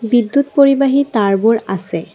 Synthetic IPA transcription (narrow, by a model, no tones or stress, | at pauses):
bidːutpoɹibaɦitaɹbuɹasɛ